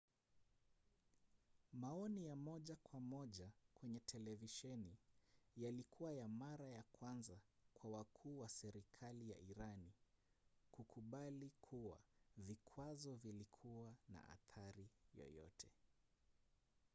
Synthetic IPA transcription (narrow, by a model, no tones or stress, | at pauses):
maɔnijamɔʄakwamɔʄakwɛɲɛtʰɛlɛviʃɛnijalikʰuwajamaɾajakwanzakwawakʰuːwasɛɾikʰalija̰iɾani | kukʰuɓalikʰuwa̰vikʰwazɔvilikʰuwana̰ʔa̰θaɾijɔ̰jɔ̰tʰɛ